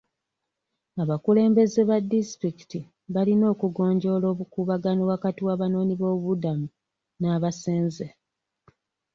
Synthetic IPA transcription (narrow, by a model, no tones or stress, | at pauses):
aβakule̞ːmbe̞ze̞βadːistɾiki̥ti | βalino̞ːkuɡo̞ːɲɟo̞lo̞ːβukuːβaɡanoβwakatiwaːβano̞ːniβo̞ːβudamu | naːβaseːnze